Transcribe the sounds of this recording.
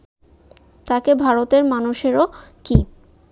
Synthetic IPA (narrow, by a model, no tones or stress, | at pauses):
t̪akebʱaɾot̪eɾmanuʃeɾoki